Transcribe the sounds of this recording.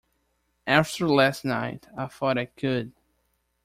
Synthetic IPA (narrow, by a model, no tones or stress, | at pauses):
ʔæftʰə˞læstnaɪtaɪfɔɾat̚kʰʊd̚